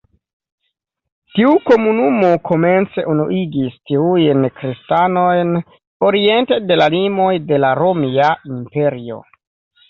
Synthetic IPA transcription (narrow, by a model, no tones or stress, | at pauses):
tiuko̞munumokʰo̞me̞nt͡se̞ʔunuʔiɡistiujnkɾistano̞jn | o̞ɾie̞ntede̞lalimo̞jde̞laɾomiaimpe̞ɾio̰